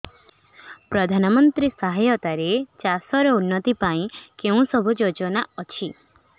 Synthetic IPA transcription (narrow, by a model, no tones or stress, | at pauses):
pɾɔd̪ʱanɔmɔnt̪ɾisaɦajɔt̪aɾet͡ʃasɔɾɔunːɔt̪ipaĩkeũsɔbʱud͡ʒod͡ʒɔnaɔt͡ʃʰi